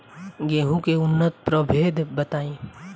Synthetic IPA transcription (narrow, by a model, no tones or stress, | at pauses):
ɡeːɦũkeʊnːət̪̚pɾəbʱeːd̪ʱbət̪aːĩː